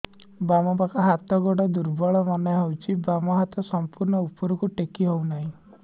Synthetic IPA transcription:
bamɔbakɔɦat̪ɔɡɔɽɔd̪uɾbɔɭɔmaneɦewt͡ʃʰibamɔɦat̪ɔsɔmpuɾɳɔupɔɾukuʈekiɦownaɦĩ

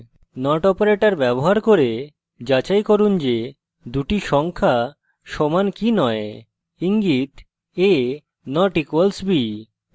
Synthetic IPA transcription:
nɔʈɔpoɾeʈaɾbɛboɦaɾkoɾe | d͡ʑat͡ɕajkoɾund͡ʑe | d̪uʈiʃɔŋkʰa | ʃɔmankinɔe | iŋɡit̪ | e | nɔʈikwalsbi

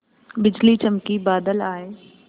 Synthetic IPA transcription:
bɪd͡ʒlit͡ʃɐmkibaːd̪əlaːeː

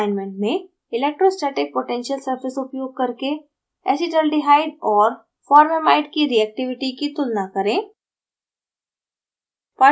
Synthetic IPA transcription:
ɪnmẽɳʈ̚mẽ | ɪleːk̚ʈɾosʈeːʈɪk̚poʈɛ̃ːnʃəlsɐɾfɪsʊpjoːɡ̚kɐɾke | ɛ̰ːsiʈəlɖiɦaːɪɖɔːɾ | fɔːɾmemaːɪɖkiɾiɛːk̚ʈɪʋɪʈikit̪ʊlnakɐɾẽː | paː

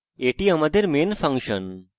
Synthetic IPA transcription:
eʈiamɐd̪ʱeɾmenfɐ̃ŋkʂən

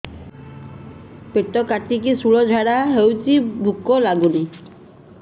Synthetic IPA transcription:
peʈːokaʈːikisuɭod͡ʑʱaɽaɦewt͡ɕibʱukːolaɡuni

